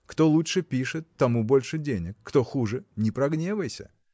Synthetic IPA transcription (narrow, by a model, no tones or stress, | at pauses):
kt̪olˠutʂɨpʲiʂɨt̪ːɐmubo̞lʲʂɨdʲenʲɪkːt̪oxuʐɨnʲɪpɾɐɡnʲevəjsʲə̰